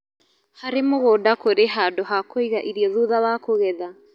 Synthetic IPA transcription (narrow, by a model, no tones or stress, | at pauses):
haɾemoɣoːdakoɾeɦadoɦakoiɣaʔiɾiɔðuðawakoɣɛða